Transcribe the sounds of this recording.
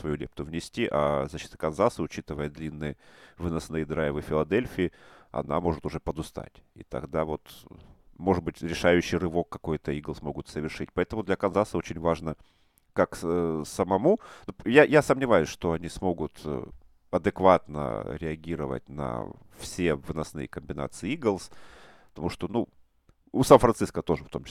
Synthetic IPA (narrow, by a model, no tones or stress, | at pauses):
svɐjulʲep̚t̪ʊvnʲɪsʲtʲiʔa̰zɐɕːi̥t̪ə̥kɐnzasəʊt͡ɕit̪ɨvəjəd̪lʲinːɨjəvɨnɐsnɨjd̪ɾaɪvɨfʲɪlˠɐd̪elʲfʲɪɪɐ̰na̰mo̞ʐɨt̪ʊʐɛpəd̪ʊst̪a̰tʲḭt̪ɐ̰ɡd̪avo̞t̪ | mo̞ʐɨd̪̚bɨtʲɾʲɪʂajʉɕːijrɨvo̞kːɐko̞jt̪əiɡlˠsmo̞ɡʊt̪səvʲɪrʂɨtʲpɐɛt̪əmʊd̪lʲɐkɐnzasəot͡ɕɪnʲvaʐnə | kaksəmɐmunujajasəmnʲɪvajʊsʲʂt̪o̞ɐnʲismo̞ɡʊt̪ | ɐd̪ɨkvat̪nə̰ɾʲɪɐɡʲiɾəvə̰tʲnə̰ | fsʲe̞vnɐsnɨ̰jəkəmʲbʲɪna̰t̪sɨɪiɡəlˠsppət̪ɐmuʂt̪o̞nu | ʊsanfɾɐnt̪sɨskət̪o̞ʐɨft̪o̞mt͡ɕɪ